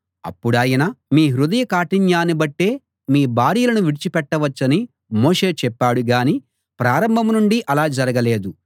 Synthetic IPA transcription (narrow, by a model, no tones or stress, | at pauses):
ɐ̰pːuɽaːjɐnɐmiːɦɾud̪ɐjɐkaːʈiɲjaːnibɐʈːe̞ː | miːbʱaːɾijɐlɐnuʋiɽit͡ʃipɛʈːɐʋɐt͡ʃːɐni | mo̞ːʂe̞ːt͡ʃɛpːaːɽuɡaːni | pɾaːɾɐmbʱɐmnuɳɖiʔɐlaːd͡ʒɐɾɐɡɐle̞ːd̪u